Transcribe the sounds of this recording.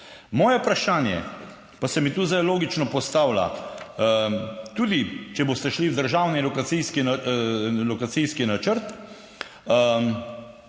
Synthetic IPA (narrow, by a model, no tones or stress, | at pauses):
mɔːjɛpɾaʃaːnjɛ̰ | pasɛmit̪uːzd̪ajloːɡit͡ʃnɔpɔst̪aːwla̰ | t̪uːd̪it͡ʃɛbost̪ɛʃliwd̪əɾʒaːwnilɔkat̪sijski | lɔkat̪siskinat͡ʃəɾt̪ | ə